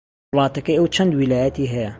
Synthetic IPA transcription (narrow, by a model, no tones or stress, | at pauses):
lɑːt̪ɐkɐjʔɐwt͡ʃʰɐnd̪wilaːjɐt̪iɦɐjɐ